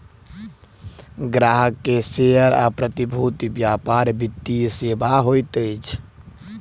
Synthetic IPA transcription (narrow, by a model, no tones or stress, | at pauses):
ɡɾaɦəkːeseəɾa̰pɾət̪ibʱut̪ibjapaɾbit̪ːisebaɦojt̪əjt͡ʃʰ